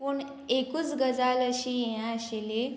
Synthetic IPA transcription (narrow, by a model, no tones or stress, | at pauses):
puɳ | ekuːt͡sɡəd͡zaləɕijejãəɕele